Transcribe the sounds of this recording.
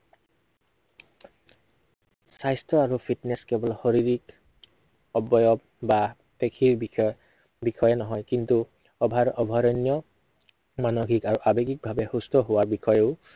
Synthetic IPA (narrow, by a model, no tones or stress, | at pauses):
sajstɹɔaɹupʰitnɛskɛbɔlɔxɔɹiɹik | ɔbɔjɔb | ba | pekʰiɹ | bixʰɔjɛnɔɦɔjkintu | ɔbʱaɹʔɔbʱaɹɔnijɔ | manoɡikaɹuʔabekik̚bʱabɛhustɔɦowaɹbixʰɔjɛʊ